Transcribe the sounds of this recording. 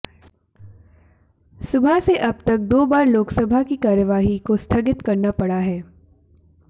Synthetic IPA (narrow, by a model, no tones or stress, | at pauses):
sʊbʱaseʔɐbt̪ɐk̚d̪oːbaːɾloːksəbʱakikaːɾəʋaːɦikost̪ʰɐɡɪt̪kɐɾnapɐɽaɦɛː